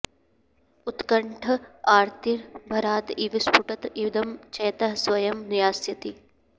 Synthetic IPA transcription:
ut̪kɐɳʈʰɐaːɾt̪iɾbʱɐɾaːt̪iʋispʰuʈɐt̪iʋɪd̪ɐmt͡ʃɛːt̪ɐɦsʋɐjɐmnɪjaːsjɐt̪i

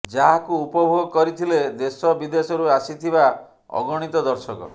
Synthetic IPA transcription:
d͡ʒaɦakuːpɔbʱoɡɔkɔɾit̪ʰiled̪esɔbid̪esɔɾuasit̪ʰiba | ɔ̰ɡɔɽ̃it̪ɔd̪ɔɾsɔkɔ̰

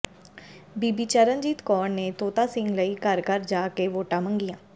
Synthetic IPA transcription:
biːbiːt͡ʃəɾənd͡ʒiːt̪kɔːɳneːt̪oːt̪aːsɪ̃ŋɡləiːkəɾkəɾd͡ʒaːkeʋoːʈãːmə̃ŋɡijãː

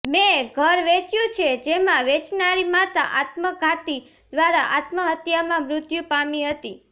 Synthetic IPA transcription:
mẽɡʱəɾʋɛt͡ʃjũt͡ʃʰed͡ʒemãʋɛt͡ʃnaɾimat̪a̰ʔat̪məɡʱat̪i | d̪ʋaɾaʔat̪məɦət̪jamãmɾʊt̪jũpamiɦət̪i

